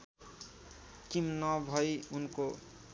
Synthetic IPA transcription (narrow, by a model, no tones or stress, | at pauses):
kimnʌbʱʌjunko